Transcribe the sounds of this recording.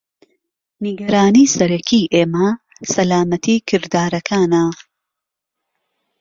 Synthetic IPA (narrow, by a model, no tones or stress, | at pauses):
niɡɐɾaːniːsɐɾɐkʰiːʔeːmɐ | sɐlaːmɐt̪ʰiːkʰɨɾd̪aːɾɐkʰaːnɐ